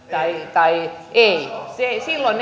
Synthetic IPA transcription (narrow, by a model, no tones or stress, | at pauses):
t̪ɑit̪ɑiʔeisesilːon